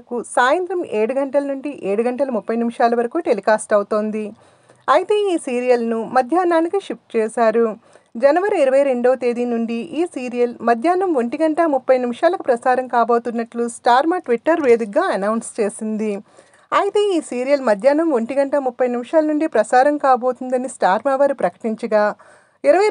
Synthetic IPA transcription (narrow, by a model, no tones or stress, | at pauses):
kusaːjɐnt̪ɾɐmeːɽuɡɐɳʈɐlɐnuɳɖiʔeːɽuɡɐɳʈɐlɐmupːɐjnimiʂaːlɐʋɐɾɐkuːʈelikaːsʈɐwt̪o̞ːnd̪i | ɐjit̪eːiːsiːɾijɐlnumɐd̪ʱjaːnaːnikiʂip̚ʈt͡ʃɛːsaːɾu | d͡ʒɐnɐʋɐɾiiɾɐʋɐjɾe̞ɳɖo̞ːt̪eːd̪inuɳɖiʔiːsiːɾijɐlmɐd̪ʱjaːnɐmʋoɳʈiɡɐɳʈɐmupːɐjnimiʂaːlɐkupɾɐsaːɾɐmkaːbo̞ːt̪unːɐʈlusʈaːɾmɐːʈʋiʈːɐɾʋeːd̪ukːaːɐnɐwnst͡ʃe̞ːsind̪i | ɐjit̪e̞ːiːsiːɾijɐlmɐd̪ʱjaːnɐmʋoɳʈiɡɐɳʈɐmupːɐjnimiʃaːlɐnuɳɖipɾɐsaːɾɐmkaːbo̞ːt̪und̪ɐnisʈaːɾmaːʋɐɾupɾɐkɐ̥ʈiɲt͡ʃɐɡaː | iɾɐʋɐ